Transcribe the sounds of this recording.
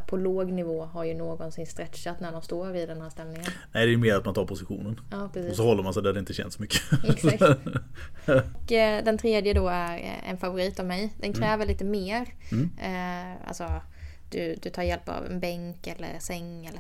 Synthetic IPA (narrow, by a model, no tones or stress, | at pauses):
pʰɔloːɡnɪvoːɦaɾjɵnoːɡɔnsɪnst̪ɾɛt̪ɕat̪næɖɔmst̪oːɾɪd̪ɛnhæːst̪ɛlnɪŋənɛɪd̪ɛːjɵmeːɾat̪mant̪ɑːɾpʰʊsɪɧṵːnənɑːpʰɾɛsiɔːsɔhɔlːəɾmansɛɪd̪æhadɛɪnt̪əɕɛ̰nt̪sɔmʏkːə̥ | kːd̪ɛnt̪ʰɾeːd̪jəd̪ɔæɾɛ̰nfavʊɾiːt̪avmɛjd̪ɛnkʰɾɛːvəɭiːt̪əmeːɾ | a̰lsɔ | d̪̥ɵd̪ɵt̪ʰɑːɾjɛlpa̰vɛ̰nbɛŋkɛlːə̰ɾsɛŋːɛlːə